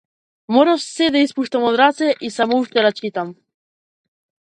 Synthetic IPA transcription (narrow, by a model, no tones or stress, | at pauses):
moɾaʃsɛd̪aispuʃt̪amod̪ɾat̪sɛʔisamouʃt̪ɛɾat͡ʃit̪am